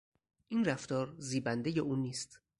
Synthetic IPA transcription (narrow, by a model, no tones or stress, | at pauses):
ʔiːnræft̪ɒːɾziːbænd̪e̞jeʔuːniːst̪